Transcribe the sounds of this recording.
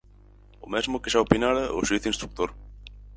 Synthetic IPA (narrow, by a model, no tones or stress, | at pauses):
ʊ̰mezmʊkɪʃaopinaɾɐʊ̰ʃiθinst̪ɾuk̚t̪oɾ